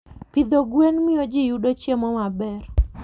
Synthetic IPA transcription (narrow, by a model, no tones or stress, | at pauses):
pɪd̪oɡwenmɪjod͡ʒɪjuɗot͡ʃjemɔmabɛr